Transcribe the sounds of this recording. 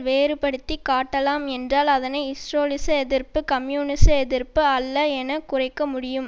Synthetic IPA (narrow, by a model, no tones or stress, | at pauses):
ʋeːɾɯpɐɽɯt̪ːikaːʈːɐlaːmɛndraːlɐðɐnɐɪɪsɾoːlɪsɐɛðɪrpɯkɐmjuːnɪsɐɛðɪɾpɯɐlːɐɛnɐkʊrɐɪkːɐmʊɽɪjɯm